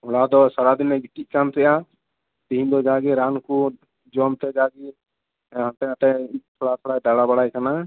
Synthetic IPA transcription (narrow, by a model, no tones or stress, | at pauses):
ɔlad̪ɔsaɾad̪inɛɡit̪ikant̪ɛja | t̪iĩnd̪ɔd͡ʒaɡɛɾanku | d͡ʒɔmt̪ɛd͡ʒaɡi | ɦãt̪ɛat̪ɛ̃it̪ʰoɽat̪ʰoɽajɖaɽabəɽajkana